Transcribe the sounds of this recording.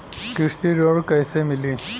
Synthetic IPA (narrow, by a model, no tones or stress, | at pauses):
kiʂt̪iɾoɽkəjsemili